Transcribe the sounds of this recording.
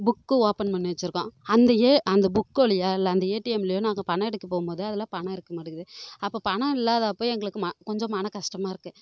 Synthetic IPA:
bʊkːɯoːpɐnmɐnːʋɐt͡ʃːɪɾɯkːõːɐnd̪ɐeːɐnd̪ɐbʊkːɐɭɪjaːɪlːɐːnd̪ɐeːʈijɛmɪlɐjoːnaːŋɡɐpɐɳɐ̃ɛɽɯtkːɯpoːɣɯmpoːðɯɐðɐlːãːpɐɳɐ̃ɪɽɯkːɐmɐɽɯkɐðɯɐpːoːpɐɳɐ̃ɪlːaːðaːpoːjɛŋɡɐɭɯkːɯmɐkɔɲd͡ʒɔ̃mɐnɐkɐʂʈɐmaːɪɾɯkːɯ

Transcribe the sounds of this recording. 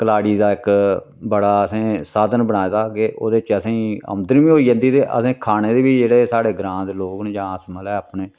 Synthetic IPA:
kəlaːɽiːd̪aːɪk | bəɽaːəsẽːsaːd̪ənbəɽaːed̪aːkeʔo̰ːd̪eːt͡ʃəsẽːə̰md̪əɾʋĩːɦoːiːd͡ʒə̃nd̪iːt̪eːʔə̰sẽːkʰaːneːd̪eːʋiːd͡ʒeːɽeːsaːɽeːɡɾãːnd̪loːknẽːd͡ʒãːəsməlɛːaːpɳeː

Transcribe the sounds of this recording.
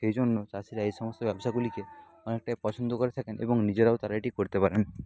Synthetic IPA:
ejd͡ʒʱonːot͡ʃasiɾaijsɔmɔst̪ɔbjabɔsaɡulike | ɔnek̚ʈajpɔt͡ʃʰɔnd̪ʱɔkɔɾet̪ʰakenʔḛbɔŋnid͡ʑeɾaot̪aɾaʈikoɾit̪epaɾeni

